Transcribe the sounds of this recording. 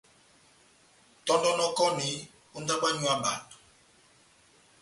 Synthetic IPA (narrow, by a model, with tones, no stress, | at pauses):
tɔ˦ndɔ˦nɔ˦kɔ˦ni˨˦ | u˦nda˦ɓa˦ɲu˦a˦ɓa̰˨t